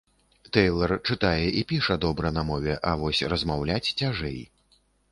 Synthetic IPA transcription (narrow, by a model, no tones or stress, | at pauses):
t̪ɛjlˠɐrt͡ʂɨt̪ajɛʔipʲiʂɐd̪ɔbɾɐnɐmɔvʲɛʔɐvɔsʲrɐzmawlʲat͡sʲt͡sʲaʐɛ̰j